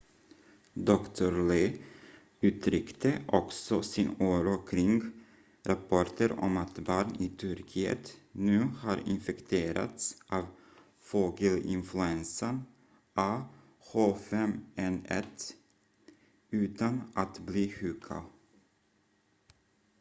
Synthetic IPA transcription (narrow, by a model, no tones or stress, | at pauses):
d̪ɔkt̪ʰɔɾleː | ʉ̟ːt̪ɾʏkt̪əʔɔksɔsɪnuːɾokʰɾɪŋɡ | ɾapʰɔʈəɾɔ̰mat̪bɑːɳɪːt̪ʰɵɾkʰiːə̰t̪nʉ̟ːhɑːɾɪ̰nfɛkt̪ʰeːɾa̰t̪sʔɑːv | foːɡəlɪ̰nflɵɛnsən | ʔɑː | hoːfɛmɛnɛt̪ | ʉ̟ːt̪anʔat̪bliːhʉːkʰa̰